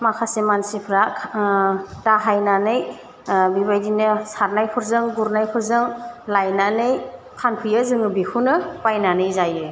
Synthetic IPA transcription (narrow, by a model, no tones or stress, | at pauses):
makʰasemansipʰɾa | taɦajnanɯj | biβajdinɯsaɾnajpʰuɾzɯŋɡuɾnajpʰɯɾzɯŋlajnanɯj | kʰanpʰɯjazɯŋɯbikʰunɯpajnanɯjzajɯ